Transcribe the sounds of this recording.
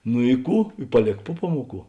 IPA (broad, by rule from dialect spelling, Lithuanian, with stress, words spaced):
nʊ ɪ ˈkuː ɪ pɐˈlʲeːk ˈpʊ ˈpɑːmuɔˌkuː